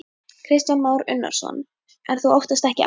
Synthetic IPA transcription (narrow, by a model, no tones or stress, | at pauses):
kʰɾɪst̪janmaːwɾʏ̰nːa̰ɾ̥sɔ̰n | ɛɾ̥θuowht̪ast̪ɛhcɪʔ